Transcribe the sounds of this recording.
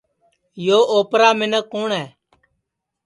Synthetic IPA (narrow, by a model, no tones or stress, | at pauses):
joːʔoːpɾaːmɪnəkːoːɳɛː